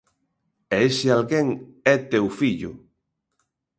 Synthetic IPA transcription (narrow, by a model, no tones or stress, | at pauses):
ɛesɪalɣeŋɛt̪ewfiʎʊ̰